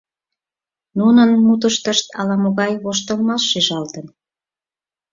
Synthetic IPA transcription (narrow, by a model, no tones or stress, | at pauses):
nunənmut̪̬əʃt̪əʃt̪ɑlɑmoɣɑjβoʃt̪əlmɑʃːiʒɑlt̪ən